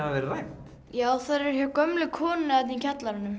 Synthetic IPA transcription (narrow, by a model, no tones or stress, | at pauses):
avavɛɾrajh̪ | jaːwwθaðɾɛɾ̥çɛɾkœmlʏkʰɔːnat̪icʰat̪laɾʏnʏm